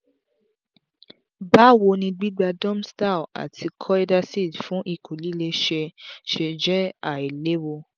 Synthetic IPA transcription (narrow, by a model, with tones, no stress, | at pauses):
ba˦wo˧nĩ˧ɡ͡bi˦ɡ͡ba˧dɔ̃˦msta˦˨wa̰˨tʰi˧kʰɔ˦i˦da˧si˦˨sfũ˨˦ʔi˧˨kʰu˨li˨˦le˧ʃe˧ʃe˧d͡ʒɛ˦a˨i˨le˨˦wo˧